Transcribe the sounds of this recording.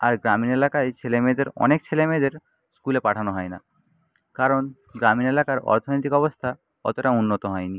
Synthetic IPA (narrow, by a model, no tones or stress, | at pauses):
aɾɡɾaminelakajt͡ɕʰelemed̪eɾɔ̰nek̚t͡ɕʰelemed̪eɾ | skulepaʈʰanoɦɔena̰ | kaɾon | ɡɾaminelakaɾɔ̰ɾt̪ʰonojt̪ikɔbost̪ʰa | kɔ̰t̪oʈaunːot̪oɦɔeni